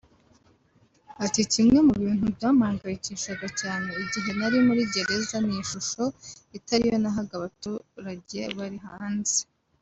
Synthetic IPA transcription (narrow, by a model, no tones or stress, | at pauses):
aticimŋe̞muβiːn̥hubjaːmaːŋɡajiciʃaɡacaːne̞iɟiɦe̞naɾimuɾiɟe̞ɾe̞zaniiʃuʃo̞itaɾijo̞naɦaɡaβatuɾaɟe̞βaɾiɦaːnze